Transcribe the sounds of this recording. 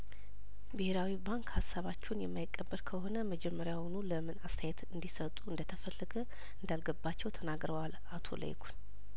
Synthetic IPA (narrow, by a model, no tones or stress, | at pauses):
bɨheɾawibaŋkhasːaβat͡ʃːɛwnjɛmːajɪkʼːəbːəlkʰəho̞nəməd͡ʒɛmːəɾjawnuləmɨnast̪ʰajɛt̪ɨnd̪isət̪ʼuɨnd̪ət̪ʰəfəlːəɡə | ɨnd̪alɡəbːat͡ʃːɛwt̪ʰənaɡɾəwal | at̪ʰo̞̰lə̰jkʰu̥n